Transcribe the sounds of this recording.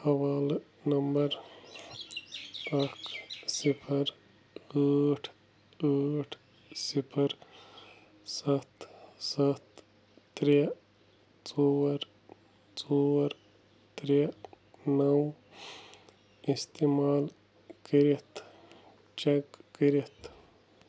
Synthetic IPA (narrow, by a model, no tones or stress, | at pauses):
hɐwaːl | nɐmbɐɾ | ɐkʰsipʰəɾ | aːʈʰ | aːʈʰ | sipʰəɾ | sɐt̪sɐt̪ː | ɾe | t͡soːwɾ | t͡soɾ | t̪ɾe | nɐw | ist̪eːmaːl | kəɾit̪ | t͡ʃekːəɾit̪